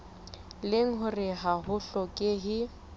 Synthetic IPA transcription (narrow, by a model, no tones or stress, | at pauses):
lɪŋ̩ɦʊrɪɦaɦʊɬɔkʼɪɦɪ